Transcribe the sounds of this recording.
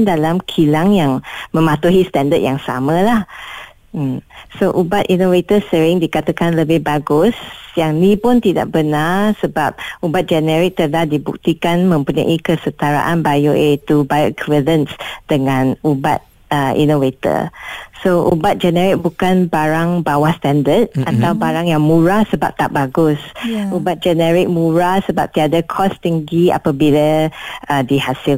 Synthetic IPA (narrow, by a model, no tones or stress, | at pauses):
ndalamkʰilaŋjaŋmə̃mat̪uɦist̪ɛndət̪̚jaŋsa̰mə̃lah | m̩soʔubat̪inovet̪əsəɾɪŋdikat̪akanləbɪhbaɡʊsjaŋnĩpʊnt̪ida̰ʔ̚bənarsəbap̚ubat̪̚d͡ʒɛnɛɾɪk̚t̪əlahdibuk̚t̪ikanmə̃mpuɲã̰ʔikəsət̪aɾa̰ʔanbajoʔet̪ubakʰvilənsd̥əŋãnuba̰t̪̚ | əʔḭnovet̪ə̰soʔṵbat̪̚d͡ʒɛnɛɾɪk̚bukanbaɾaŋbawahst̪ɛndət̪̚ʔat̪awbaɾaŋjaŋmũɹasəba̰p̚t̪aʔ̚baɡʊsubat̪̚d͡ʒɛnɛɾɪk̚mũɹasəba̰p̚t̪iadəkʰɔst̪iŋɡia̰pabiləədihasi